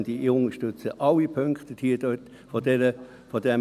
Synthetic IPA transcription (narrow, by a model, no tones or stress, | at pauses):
nd̥iiʊnəʃtʉt͡səʔɑlipʰøŋkt̪əd̥iːd̥øt | fɔdɛnə | fɔdɛm